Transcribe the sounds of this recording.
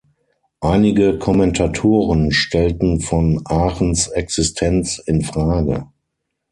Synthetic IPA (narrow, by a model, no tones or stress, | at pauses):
ʔaɪnɪɡəkʰɔmɛntʰatʰoːʁənʃtʰɛltn̩fɔnʔaːʁənsɛksɪstʰɛnt͡sɪnfʁ̥aːɡə̰